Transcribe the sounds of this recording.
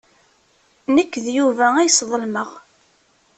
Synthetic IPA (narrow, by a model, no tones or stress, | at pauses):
nəkːðjuvææjsðˤəlməʁ